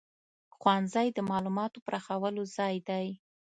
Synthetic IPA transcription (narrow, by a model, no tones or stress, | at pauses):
xwɑnzajd̪əmɑlumɑt̪opəɾʔaxawəlozɑjd̪aj